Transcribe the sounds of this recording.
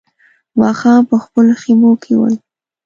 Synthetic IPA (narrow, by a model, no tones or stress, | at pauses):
wɑxɑpəxpəloximokʰewə̰j